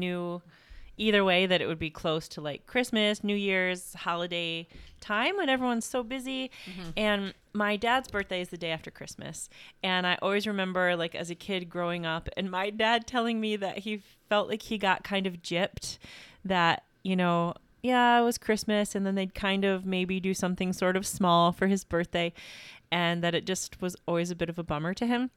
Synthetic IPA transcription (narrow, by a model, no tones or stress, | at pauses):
nʉ | iðə˞weɪðɨɾɨ̰ʔ̚wɨd̚bikʰl̥oʊstʰəlaɪkʰːɹ̥ɪsmɨsnʉjɪɹz̥hɑlˠədeɪtʰãɪ̃mɨ̃ɾ̃ɛvɹiwʌ̃nz̥soʊbɪziɨ̃n | maɪdædzbɜ˞θd̥eɪɨzðɨdeɪæftə˞kʰɹ̥ɪsmɨ̰sɨ̃ñaɪʔɔlˠwizɹɨmɛ̃mbə˞laɪkɨ̰zɨkʰɪd̚ɡɹoʊɪ̃ŋʌpɨ̰̃nmaɪdæd̚tʰɛlˠɪ̃ŋmiðɨ̰ʔ̚hi | fɛlˠʔlʔaɪkhiɡɑʔ̚kʰãɪ̃ndʌvd͡ʒɪp̚t̚ðɨt̚ | jɨnoʊ | jæɪt̚wʌz̥kʰɹ̥ɪsmɨsɨ̃nðɨ̃nðeɪd̚kʰãɪ̃ndʌvmeɪbidɨsʌ̃mθɪ̃ŋsɔɹɾʌv̥smɔlˠfə˞ɨzbɜ˞θd̥eɪʔɨ̃nðɨɾɨt̚d̥ʒ̥ʌst̚wʌzɔlˠwizɨbɪɾʌvəbʌ̃mə˞ɾɨɪ̃m